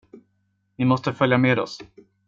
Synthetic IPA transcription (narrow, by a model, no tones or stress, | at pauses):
vɪmɔst̪əfœljameːd̪ɔ̰s